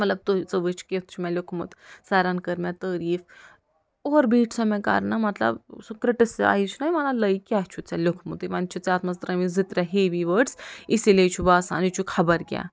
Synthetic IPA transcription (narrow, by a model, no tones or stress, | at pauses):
məɐt̪lɐb̚t̪ot͡səʋət͡ʃʰkʲet̪̚ʰt͡ʃʰumʲɛ̃lʲokʰmut̪saːɾankɐɾmʲat̪əːɾiːf | oɾbiːʈʰsɐmẽka̰ɾnamɐt̪lɐ̰bsukɾiʈisa̰ːit͡ʃʰunajmɐlaləjkʲiaɦt͡ʃʰut͡salʲokʰmut̪iʋɐnt͡ʃʰut͡saːt̪mɐst̪ɾɐmizit̪ɾʲaɦeʋiʋəɖsisilet͡ʃʰubaːsa̰ːnit͡ʃʰukʰɐbɐɾɡʲa̰